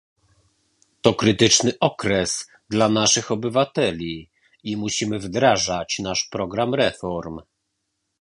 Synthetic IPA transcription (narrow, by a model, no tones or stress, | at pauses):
t̪ɔkɾɘt̪ɘt͡ʂnɘʔɔkɾɛs | d̪lanaʂɘxɔbɘvat̪ɛlʲi | imuɕimɘvd̪ɾaʐat͡ɕnaʂpɾɔɡɾamɾɛfɔɾm